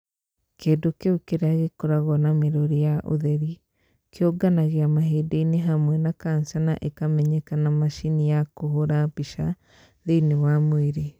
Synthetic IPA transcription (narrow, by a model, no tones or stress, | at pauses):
keːdokeukeɾeaɣekoɾaɣɔnameɾoɾijaʔo̰ðeɾi | kjoɡanaɣeamaɦeːdeineɦamwɛnakaːnsana̰ʔekamɛɲɛkanamaʃinijakohoɾaβiʃa | ðenewamweɾe